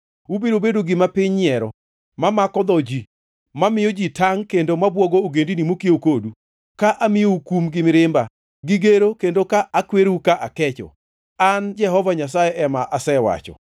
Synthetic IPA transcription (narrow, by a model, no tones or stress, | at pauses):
ubiɾobedoɡɪmapɪɲɪɛɾɔ | mamakɔd̪ɔd͡ʒi | mamɪjod͡ʒitaŋkendomabwɔɡooɡendinimokiokodu | kaʔamɪoukumɡɪmɪɾɪmba | ɡɪɡeɾokendokaʔakweɾukaʔakɛt͡ʃɔ̰ | and͡ʒɛɦɔvaɲas̬ajɛʔɛmaʔasɛwa̰t͡ʃɔ̰